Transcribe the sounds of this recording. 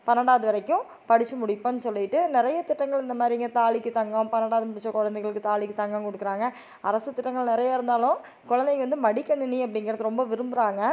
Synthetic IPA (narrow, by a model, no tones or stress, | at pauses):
pɐnɐɽaːðɯʋɐɾɐɪkːʊ̃ | pɐɽɪt͡ʃːɯmʊɽɪpːɐ̃nːɯsɔlːɪʈːɯnɪɾɐjɐt̪ɪʈːɐŋɡɐɭɪnd̪ɐmaːd̪ɾijŋɡɐt̪aːɭɪkːɯt̪ɐŋɡɐpɐnɐɽaːðɯmʊɽɪt͡ʃːɐkɔɻɐnd̪ɛɪɣɐɭɯkːɯt̪aːɭɪkːɯt̪ɐŋɡɐkɔɽɯkːɪɾaːŋɡɐ | ɐɾɐsɯt̪ːɪʈːɐŋɡɐɭnɪɾɐjaːɪɾɯnd̪aːlʊ̃ | kʊɻɐnd̪ɛkːʋɐnd̪ɯmɐɽɪkːɐɳːɯniɐp̬ːɐɽɪŋɡɪɾɐðɯɾɔmbɐʋɪɾɯmbɯɾaːŋɡɐ